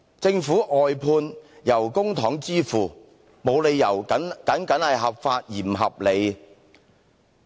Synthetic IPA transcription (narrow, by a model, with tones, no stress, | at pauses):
t͡sɪ˧ŋfuː˨˥ʔɔː˨jpʰuː˧njɐ˨˩wkʊ˥ŋt̪ʰɔː˨˥ŋt͡siː˥fuː˨˩ | mo˨˧wle˨˧jːɐ˨˩wɐ˨˥nkɐ˨˥nkɐ˨˥nhɐ˨jɦɐ˨p̚faː˧t̚jiː˨˩m˨˩ɦɐ˨p̚le˨˧j